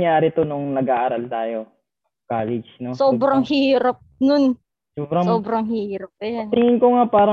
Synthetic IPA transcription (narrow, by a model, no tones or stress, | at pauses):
ŋjaːɾɪt̪onʊŋnɐɡʔaːʔaɾalt̪aːjo̞ | kaːlɛd͡ʒnosoːbɾɐŋhiːiːɾɐp̚nʊn | soːbɾɐsoːbɾɐŋhɪhiːɾɐp̚nt̪ɪŋɪnkoŋapaːɾɐ